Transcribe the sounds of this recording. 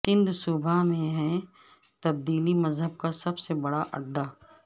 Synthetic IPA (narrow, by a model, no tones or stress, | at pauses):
sɪ̃nd̪ʱsuːbʱamẽɦɛ̃ | t̪ɐb̚d̪iːlimɐzɦəb̚kasɐbsebɐɽaʔɐ̰ɖːaː